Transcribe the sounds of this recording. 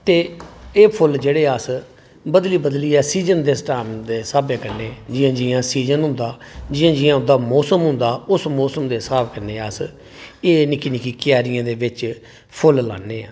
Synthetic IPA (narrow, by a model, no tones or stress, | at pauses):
t̪eːeːpʰʊld͡ʒeːɽeːəs | bəd̪liːbəd̪liːɛːsiːd͡ʒənd̪eːsʈaːmd̪eːsaːbjãːkəɾneːd͡ʒɪjãːd͡ʒɪãːsiːd͡ʒənɦʊ̃nd̪aː | d͡ʒɪãːd͡ʒɪãːʊd̪aːmɔːsəmɦʊ̃nd̪aːʊsmɔːsəmd̪eːsaːbkəɾneːəs | eːnɪkiːnɪkiːkɪjaːɾɪjãːd̪eːʋɪt͡ʃ | pʰʊlla̰ːnːeːaː